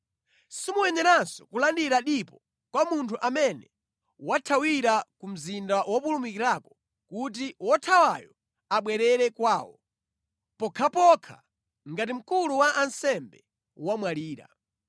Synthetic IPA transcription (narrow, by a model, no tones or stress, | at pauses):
simuwɛɲɛɾansɔ̥kulandiɾaɗipɔ | kwamuntʰuʔamɛnɛ | watʰawiɾakum̩zindawɔpulumikiɾakɔ̥ | kut̬iwɔtʰawa̰jɔ | aɓwɛɾɛɾɛkwaːwɔ | pɔkʰapɔkʰa̰ | ŋɡat̬im̩kuluwaʔansɛmbɛ | wamwaliːɾa̰